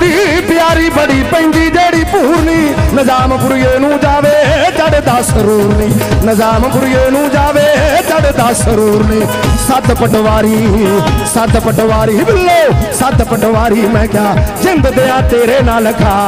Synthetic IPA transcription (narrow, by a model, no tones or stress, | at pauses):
iːpɪjaːɾiːbəɽiːpəɪ̃ːnd̪iːd͡ʒeːɽiːpuːɾniːnəd͡ʒaːmɡʊɾɪjeːnũːd͡ʒaːʋeːt̪aɽed̪aːsəɾuːɾnĩːnəd͡ʒaːmɡʊɾjenũːd͡ʒaːʋeːt̪aɽed̪aːsəɾuːɾnĩːsət̪pəʈʋaːɾiːsət̪pəʈʋaːɾiːbɪlːoːsət̪pəʈʋaːɾiːmɛ̃ːkɪjaːd͡ʒɪ̃nd̪d̪eːãːt̪eːɾeːnãːləkʰaː